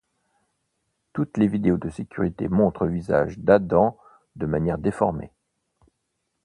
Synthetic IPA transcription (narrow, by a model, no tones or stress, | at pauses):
t̪ut̪levid̪eod̪əsekʲʰyʁit̪ḛmɔ̃t̪χəviza̰ʒd̪ad̪ɑ̃ | d̪əmanjɛʁd̪efɔʁmḛ